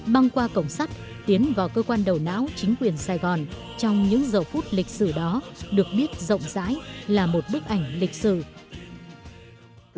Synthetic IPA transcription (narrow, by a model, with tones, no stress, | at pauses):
ɓa˧ŋkwaː˧kə̰˧˩wŋ͡msaː˦˥jk̚ | t̪i˨˦ənvaː˨˩wkəː˧kwaː˧nɗə˨˩wna̰ː˧˥wt͡ɕï˨˦ŋ̟kwi˨˩ənsaː˧jɣɔ˨˩n | t͡ɕɔ˧wŋ͡mɲɨ̰˧˥ŋzəː˨˩fu˦˥t̚lï˨˩k̚sɨ˧˩ɗɔ˨˦ɗɨ˨˩ək̚ɓi˦˥ət̚zə̰˧˨wŋ͡mza̰ː˧˥jlaː˨˩mo˨˩t̚ɓɨ˦˥ək̚ʔa˧˩jŋ̟lï˨˩k̟̚sɨ̰˧˩